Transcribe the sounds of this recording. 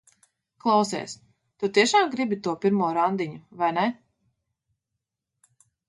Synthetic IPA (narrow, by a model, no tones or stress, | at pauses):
klˠawsɛ̰ːs | t̪ut̪iɛʃaːmɡɾibit̪uɔpʲiɾmuɔɾand̪iɲuvajnɛ